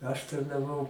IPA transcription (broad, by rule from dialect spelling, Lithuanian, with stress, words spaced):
ɐʃ tɐrnɐˈʋɐʊ